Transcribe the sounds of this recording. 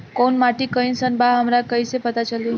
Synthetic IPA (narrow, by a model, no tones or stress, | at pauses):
konmaʈikəinsənbaɦəmɾakəjsepət̪at͡ʃəlju